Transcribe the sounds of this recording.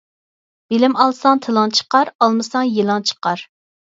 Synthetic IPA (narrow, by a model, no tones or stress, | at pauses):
b̥elɪmɑlˠsɑŋt̪ʰɨlˠɑnt͡ʃʰə̥qɑɾɑlˠmɨsɑŋjelˠɑnt͡ʃʰə̥qɑɾ